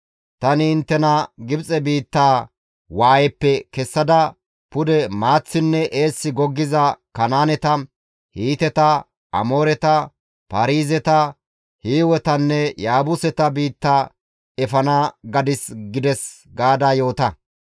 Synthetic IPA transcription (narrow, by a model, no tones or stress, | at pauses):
t̪ɐnɪɪnt̪ːɛnɐɡɪbt͡sʼɛbiːt̪ːaː | waːjɛpːɛkɛsːɐd̪ɐ | pʊd̪ɛmaːt͡sːɪnːɛʔeːsːɪɡɔɡːɪzɐkɐnaːnɛt̪ɐ | hiːt̪ɛt̪ɐ | ʔɐ̰mo̞ːɾɛt̪ɐ | pɐɾiːzɛt̪ɐ | hiːwɛt̪ɐnːɛjaːbʊsɛt̪ɐbiːt̪ːaː | ɛfɐnaɡɐd̪ɪsɡɪd̪ɛs | ɡaːd̪aːjo̞ːt̪ɐ